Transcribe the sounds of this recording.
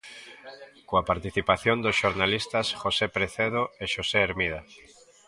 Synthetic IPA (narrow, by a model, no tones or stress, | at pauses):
koapaɾt̪iθipaθjond̪osʃoɾnalist̪asxosepɾeθeðoeʃoseeɾmiða